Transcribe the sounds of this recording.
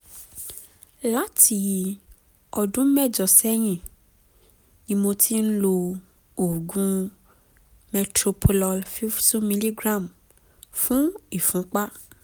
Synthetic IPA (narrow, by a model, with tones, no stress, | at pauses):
la˦ti˧ | ɔ˧dũ˦mɛ˦˨d͡ʒɔ˨sɛ˦j̃ĩ˦˨ | nĩ˧mõ˧tʰi˦n̩˦lo˧ | o˨ɡũ˦ | mɛ˧tɾo˧pʰo˧lɔ˧lfi˦ftu˦mĩ˧li˦ɡɾã˦˨m | fũ˦i˦˨fũ˨˦k͡pa˦